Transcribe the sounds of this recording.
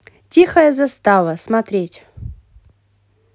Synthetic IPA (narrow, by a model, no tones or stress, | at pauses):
tʲixəjəzɐst̪avəsmɐt̪ɾʲetʲ